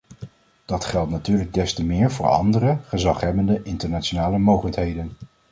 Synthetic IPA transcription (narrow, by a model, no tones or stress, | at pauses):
d̥ɑtχɛlˠtnatyːɹləɡ̚dɛstəmɪːɹvʊːɹɑ̰ndərəχəzɑχɦɛbəndəʔɪntəɹnat͡ʃonaːləmowχələkɦejdən